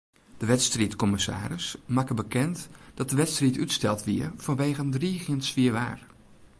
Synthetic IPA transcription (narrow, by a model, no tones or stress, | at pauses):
d̥əʋɛtstritkɔmɪsa̰ːɾɪsmakəbəkɛntd̥ɑt̚dəʋɛtstritytstɛlˠtʋiːɹv̥ɑnʋejχəndriːχjəntsfiːɹʋa̰ːr